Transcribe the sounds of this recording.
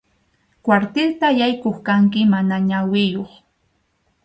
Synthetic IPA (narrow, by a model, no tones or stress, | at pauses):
kwaɾt̪ɪlt̪ajajkoχkaŋkɪmanaɲawɪjoχ